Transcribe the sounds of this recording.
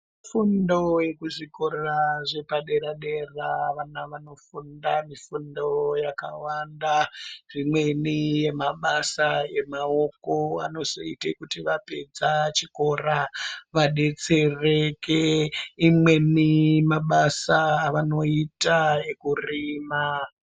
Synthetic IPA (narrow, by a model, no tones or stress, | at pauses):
mifundo̞je̞kuʐiko̞rraʐe̞paɗe̞ɾaɗe̞raʋanaʋano̞fundamifundo̞jaka̰wandarimwe̞nije̞maɓasae̞mao̞ko̞a̰no̞zo̰ḭtekutiʋape̞d͡zat͡ʃiko̞raʋaɗe̞t͡se̞rekʰeimwe̞nimaɓasaːʋano̞itae̞kurima